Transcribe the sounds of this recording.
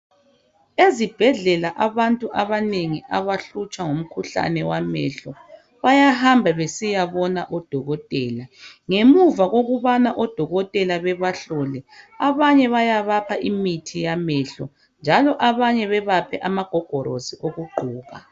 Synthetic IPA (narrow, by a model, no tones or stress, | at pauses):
ezib̥ʱɛɮɛlaʔaβantʼuʔaβaneŋiʔaβaɬut͡ʃʼwaŋom̩kʰuɬa̰nɛwamɛ̰ɬɔ | βajahambʱaβesijaβɔnaʔɔd̥ʱɔɣɔtʼɛːlaŋemuvaɣoɣuβanaʔɔd̥ʱɔɣɔtʼɛlaβɛβaɬɔlɛaβaɲɛβajaβapʰaʔimitʰijamɛɬɔ̰ | nd͡ʒʱalɔʔaβaɲɛβɛβapʰɛʔamaɡ̥ʱɔɡ̥ʱɔɾoziʔoɣuɡ͡ǃʱuːɣa